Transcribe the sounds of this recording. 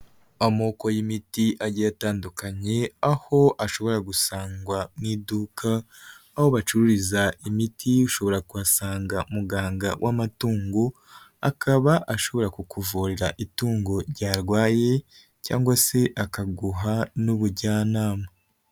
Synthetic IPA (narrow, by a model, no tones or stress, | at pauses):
amoːko̞jimitiʔaɟijataːndukaɲe̞aho̞ʔaʃo̞βo̞ɾaɡusaːŋɡwamŋiːduːkʰaː | ho̞βat͡ʃuɾuɾizaimitʰiuʃo̞βo̞ɾakuβasaːŋɡaumuɡaːŋɡawʔamatuːŋɡo | a̰kʰaβaʔaʃo̞βo̞ɾakukuvuɾeɾaʔituːŋɡo̞ɾɟaːɾɡwaːje̞ | ca̰ːŋɡwase̞ʔakaɡuɦanuβuɾɟaːnaːma